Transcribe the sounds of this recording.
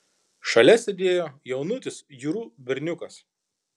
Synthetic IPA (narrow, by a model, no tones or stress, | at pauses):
ʃɐlʲɛsʲed̪ʲeːjoːjɛʊnʊt̪ʲɪsjuːɾuːbʲɪɾʲnʲʊkɐs